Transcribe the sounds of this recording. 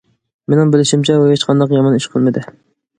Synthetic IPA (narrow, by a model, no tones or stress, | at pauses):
menɪŋbɪlɪʃimt͡ʃʰɛwɛɦet͡ʃqʰɑnd̪ɑqjɑmɑniʃqʰəlˠmɨd̪ɨ